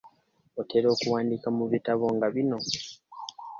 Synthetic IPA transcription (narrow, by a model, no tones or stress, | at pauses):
ote̞ɾo̞ːkuwaːndikamuβitaβo̞ŋɡaβino̞